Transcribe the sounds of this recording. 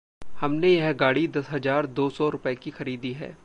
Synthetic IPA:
hɐmnejɐɦɡaːɽid̪ɐsɦɐzaːɾd̪oːsɔɾʊpəekixɐɾiːd̪iɦɛ̰ː

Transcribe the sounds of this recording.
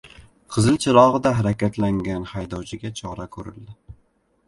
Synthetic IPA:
qʰɨzɪlt͡ʃʰɪɾɒʁɨd̪aɦaɾakʲat̪ʰlaŋɡʲanhajd̪ɒwt͡ʃʰɪɡʲat͡ʃʰɒɾakʰɵɾɪ̰ld̪ɪ

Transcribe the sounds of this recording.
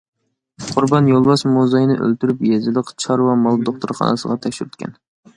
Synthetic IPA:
qʰʊɾbɑnjolˠwɑʃmozɑjnɨʔø̰lt̪yɾypjɛzɪlˠəqt͡ʃʰɑɾwɑmɑlˠd̪oχt̪ʰuɾχɑ̰nɨsəʁɑt̪ʰɛkʲʃyɾyt̪̚kʲɛ̰n

